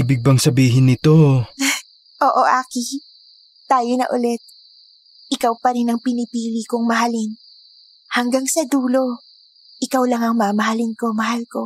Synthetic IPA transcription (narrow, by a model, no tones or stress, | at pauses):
iːbɪɡ̚bɐŋsɐbiːɦɪnːɪt̪o | ʔoːʔo̞ʔaːkiː | aːjonɐ̰ʔʊlɛt̪̚ | ʔɪkawpɐɾɪnɐŋpɪnɪpiːlikoŋmɐɦalɪn | hɐŋɡaŋsɐd̪uːlo̞ | ʔɪkawlɐŋɐŋmaːmɐɦɐlɪnko̞mɐɦalko̞